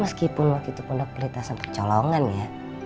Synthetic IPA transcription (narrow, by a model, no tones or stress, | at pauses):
məskipʊnwak̪it̪upundahpəlit̪asant̪ərt͡ʃɔloŋanja